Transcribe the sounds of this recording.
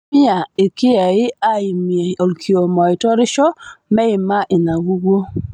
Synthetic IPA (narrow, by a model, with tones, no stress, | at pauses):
ɪ˦a˨ɪ˨kɪ˦a˨ɪ˦a˦ɪ˨mje˨o˨lkʰi˨o˨mɔ˨ɪ˨tɔ˦ɾɪ˦ʃɔ˦mɛ˦ɪ˨ma˦ʔɪ˨na˨ɡu˦ɡo˦